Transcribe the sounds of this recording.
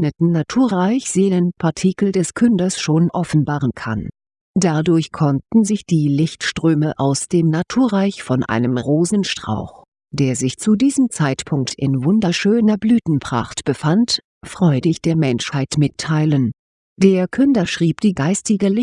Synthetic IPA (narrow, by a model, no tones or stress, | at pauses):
nətn̩natʰuːɐʁaɪçz̥eːlənpʰaɐtʰikl̩dɛskʰʏndɐsʃoːnʔɔfn̩baːʁənkʰa̰n | d̥adʊɐçkʰɔntn̩zɪçd̥iːlɪçtʃtʁ̥øːməʔaʊsd̥eːmnatʰuːɐʁaɪçfɔnʔa̰ɪnəmʁoːzn̩ʃtʁ̥a̰ʊx | d̥eːɐzɪçt͡sudiːzəmt͡saɪtpʰʊŋk̚tʰɪnvʊndɐʃøːnɐblyːtn̩pʁ̥a̰χtb̥əfant | fʁ̥ɔʏdɪçd̥eːɐmɛnʃhaɪtmɪtʰːaɪlən | d̥eːɐkʰʏndɐʃʁ̥iːpd̥iːɡaɪstɪɡəlɪ